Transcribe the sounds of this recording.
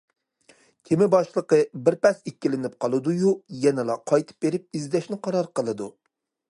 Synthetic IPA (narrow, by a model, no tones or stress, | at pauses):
kʲʰemɪbɑʃlˠəqəbɪɾpɛsekʲːilɪnɪp̚qʰɑlˠɨd̪ujujɛnɪlˠɑqʰɑjt̪ʰɨ̥p̚beɾɪp̚izd̪ɛʃnɪqʰɑɾɑɾqəlˠɨd̪ṵ